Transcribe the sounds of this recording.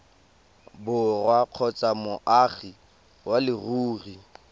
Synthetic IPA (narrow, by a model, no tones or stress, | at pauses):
bʊrwaq͡χʰɔt͡samʊʔaχi | walɪruːri